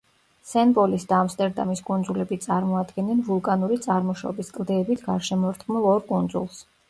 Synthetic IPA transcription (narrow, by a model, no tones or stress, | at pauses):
sɛnbʼɔlisd̪aːmst̪ʼɛɾd̪a̰miskʼund̪zulɛbit̪sʼaɾmɔad̪ɡɛnːɛnvulˠkʼanuɾit̪sʼaɾmɔʃɔ̰biskʼlˠd̪ɛːbit̪ʰɡaɾʃɛmɔɾt̪ʰχmulˠɔɾkʼund̪zulˠs